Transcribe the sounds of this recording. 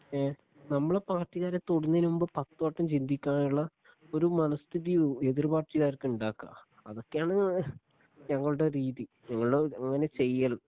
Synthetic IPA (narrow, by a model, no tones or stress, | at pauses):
nɐmːuɭepaːrʈːiɣaːɾɐt̪oɽɐnːinumbɨpɐt̪ːoːʈːɐmt͡ɕind̪ikʲːaːnuɭːɐ | o̞ɾumɐnɐst̪ʰiðie̞ðirbaːrʈːiɣaːɾrkɨuɳɖaːkːa̰ | ɐðo̞kːejaːɳɨ | ɲɐŋːɐɭuɽeɾiːði | ɲɐŋːɐɭuɽeɐŋːɐne̞t͡ɕe̞jːɐlum